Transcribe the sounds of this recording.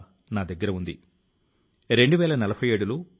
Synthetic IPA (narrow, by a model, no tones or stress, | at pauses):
naːd̪ɐɡːɐɾɐund̪ḭ | ɾe̞ɳɖuʋɛːlɐnɐlɐbʰʱɐjeːɽulu